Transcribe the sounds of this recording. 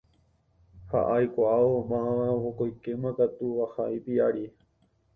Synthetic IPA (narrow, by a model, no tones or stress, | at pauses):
ha̰ʔajkʷaaomããhokojkemãkat̪uʋahaipiaɾi